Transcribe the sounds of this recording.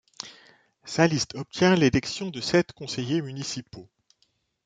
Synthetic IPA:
salist̪ɔp̚t̪jɛ̃lelɛksjɔ̃d̪əsɛt̪kɔ̃sejemynisipo

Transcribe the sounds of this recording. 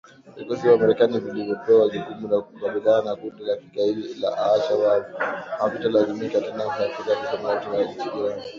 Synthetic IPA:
vikɔsivamaɾɛkanivilivjɔpɛwazukumulakukaɓiliananakundilakikailila̰ʔaaʃawamavitalazimikatɛnafakikakisamaɔtɔjait͡ʃiɡiɾan

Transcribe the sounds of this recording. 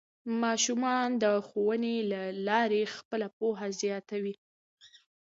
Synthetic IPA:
mɑʃumɑnd̪əxowənelalɑɾexpəlapoɦazjɑt̪awi

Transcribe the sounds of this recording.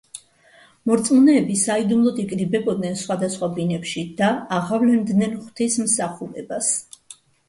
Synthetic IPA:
mɔɾt̪sʼmɔnɛːbisaid̪umlˠɔd̪ikʼɾibɛbɔd̪̚nɛnsχwad̪asχwabinɛpʃid̪̥aːʁavlɛnd̪nɛnχwt̪ʰismsaχuɾɛbas

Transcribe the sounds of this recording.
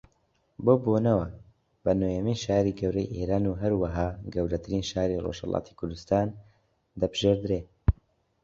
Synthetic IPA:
boːboːnɐwɐ | b̥ɐnojɛmijʃaːɾiːɡɐwɾɛjʔeːɾaːnuɦɐɾwɐɦaːɡɐwɾɐt̪ʰɨɾinʃaːɾiro̰ʃhɐ̰lˠɑ̰ːt̪ʰi̥kʰʊɾd̪ust̪aːn | d̪ɐbɨʒ̥eːɾd̪ɾeː

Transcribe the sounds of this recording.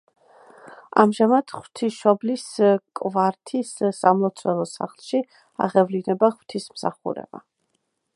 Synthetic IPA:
a̰mʒamad̪̥χw̥t̪ʰiʃɔbliskʼvaɾt̪ʰisːamlɔt̪sʰwɛlˠɔsa̰χlˠʃi | a̰ʁɛvlinɛbaχw̥t̪ʰismsaχṵɾɛ̰ba̰

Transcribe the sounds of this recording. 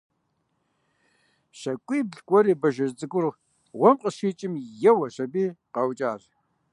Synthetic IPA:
ɕɐkʷʼiːbɮkʷʼɔɾiːbɐʒɐzd͡zʼɨɡʷʊrʁ | ʁʷɔmqʼəɕiːt͡ʃʼɪmjɛwɐɕɐbiːqɐwt͡ʃʼaːʑ

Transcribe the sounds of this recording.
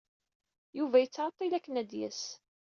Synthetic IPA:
juvæjət͡sːʕət̪ˤːilækːənæd̪jæ̰s

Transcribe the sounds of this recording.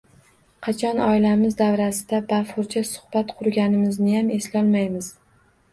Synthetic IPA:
qʰɑt͡ʃʰɒnɒɪlamɪzd̪avɾasɪd̪abafʊɾt͡ʃʰasʊ̥hb̥at̪qʰʊɾɡʲanɪmɪznɪjame̞slɒlˠmajmɪz̥

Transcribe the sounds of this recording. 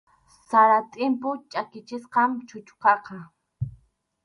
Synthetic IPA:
saɾat̪ʼɪmpʊt͡ʃʼakɪt͡ʃɪsqɑmt͡ʃʊt͡ʃqɑqɑ

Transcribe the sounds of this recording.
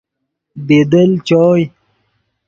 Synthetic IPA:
bed̪əlt͡ɕɔːj

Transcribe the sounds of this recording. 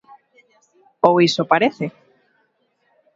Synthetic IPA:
owisopaɾeθe

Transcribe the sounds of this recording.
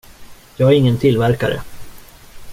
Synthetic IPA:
jɑːɡæɾɪŋːənt̪ʰɪlvæɾka̰ɾə̰

